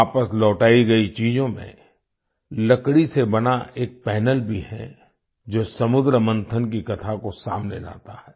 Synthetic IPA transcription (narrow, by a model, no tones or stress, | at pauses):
aːpəslɔːʈaːiɡɐit͡ʃiːzõmḛ̃ | lɐkɽisebɐnaʔeːk̚pɛːnəlbʱihɛ̰̃ | d͡ʒoːsɐmʊd̪ɾəmə̃nt̪ʰənkikɐt̪ʰakosa̰ːmnela̰ːt̪ahɛː